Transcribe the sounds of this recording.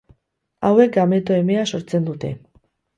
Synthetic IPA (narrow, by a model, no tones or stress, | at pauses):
awe̞k̚ɡame̞t̪oe̞measo̞ɾt͡se̞nd̪ut̪e̞̰